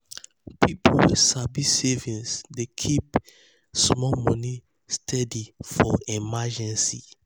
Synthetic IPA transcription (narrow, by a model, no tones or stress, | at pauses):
pʰipʰolsabisevĩnsdekʰip | smɔmɔ̃ni | stʰɛdifɔimad͡ʒɛ̃nsi